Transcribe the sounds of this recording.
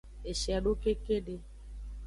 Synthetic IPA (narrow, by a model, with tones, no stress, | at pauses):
e˨ʃɛ˨a˨ɖo˦ke˦ke˦ɖe˦